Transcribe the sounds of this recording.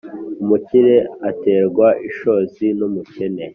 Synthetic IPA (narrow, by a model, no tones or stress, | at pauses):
umuciɾeate̞ːɾɡwaʔiʃo̞zinumucene̞